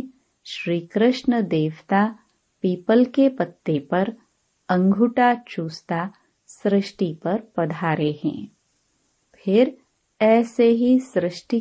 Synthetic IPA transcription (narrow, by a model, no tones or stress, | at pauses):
ʃɾiːkɾɪʃɳəd̪eːʋt̪a | piːpəlkepɐt̪ːepɐɾ | ɐ̃ŋɡʱʊʈat͡ʃuːst̪a | sɾɪʃʈipɐɾpɐd̪ʱaːɾeɦɛ̰̃ː | pʰɪɾ | ɛːseɦisɾɪʃʈi